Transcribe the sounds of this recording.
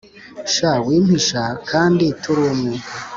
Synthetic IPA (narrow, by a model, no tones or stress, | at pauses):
ʃawiːm̥hiʃakʰaːnditʰuɾumŋu